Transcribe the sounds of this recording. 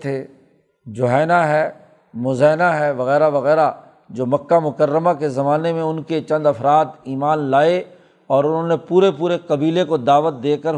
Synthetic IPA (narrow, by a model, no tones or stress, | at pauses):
t̪ʰe | d͡ʒʊɦɛːnaɦɛː | mʊzɛːnaɦɛʋɐɣɛːɾaʋɐɣɛːɾa | d͡ʒoːmɐkːamʊkəɾːəmakezɐmaːnemẽʊnket͡ʃɐ̃nd̪ɐfɾaːt̪iːmaːnlaːe | ɔːɾʊnɦõːnepuːɾepuːɾekɐbiːlekod̪aːʋət̪̚d̪eːkəɾ